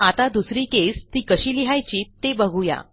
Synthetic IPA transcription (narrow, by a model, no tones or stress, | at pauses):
at̪ad̪usɾiːkest̪iːkəɕiːliɦajt͡ɕiːt̪ːebəɡʱuja̰